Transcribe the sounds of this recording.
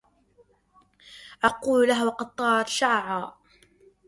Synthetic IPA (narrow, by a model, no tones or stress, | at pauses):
ʔɑquːllaɦwɑqɑd̪̚t̪ˤːɑːʕɑt̪ʃaʕʕaː